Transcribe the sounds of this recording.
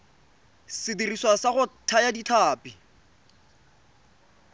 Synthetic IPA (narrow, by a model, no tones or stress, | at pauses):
sɪdiriswasaχʊtʰajaditʰaːpi